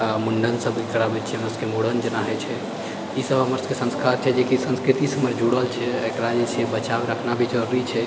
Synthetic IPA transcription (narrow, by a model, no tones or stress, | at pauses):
muɳɖənsəbʱɡəɽabɛt̪t͡ʃʰɛɦəməɾskemuɽənd͡ʒənaɦɛt͡ʃʰɛ | isəbɦəməɾskesə̃nskaɾt͡ʃʰɛd͡ʒekisə̃nskɾit̪isəməɾd͡ʒuɽəlt͡ʃʰɛəkɾad͡ʒet͡ʃʰɛbət͡ʃabeɾəkʰnabʱid͡ʒəɾɾit͡ʃʰɛ